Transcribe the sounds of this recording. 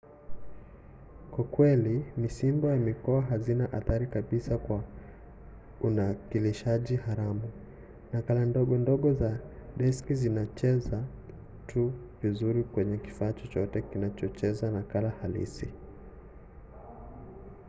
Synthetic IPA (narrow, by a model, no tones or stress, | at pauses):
kwakwɛlimisimbɔjamikɔaɦazinaʔaθaɾikaɓisakwa | unakiliʃaʄihaɾamu | nakalandɔɠɔndɔɠɔzaɗɛskizinat͡ʃɛza | tʰu | vizuɾikwɛɲɛki̥faːt͡ʃɔt͡ʃɔtɛkinat͡ʃɔt͡ʃɛzanakalahalḭsi